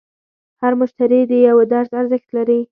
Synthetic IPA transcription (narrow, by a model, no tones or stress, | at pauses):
haɾmʊʃt̪aɾid̪əjawed̪aɾzaɾzəxt̪laɾi